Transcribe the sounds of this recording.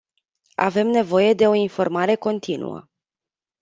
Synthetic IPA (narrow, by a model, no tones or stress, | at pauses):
a̰ve̞mne̞vo̞je̞d̪e̞o̞info̞rmaɾe̞ko̞nt̪ʰinṵə̰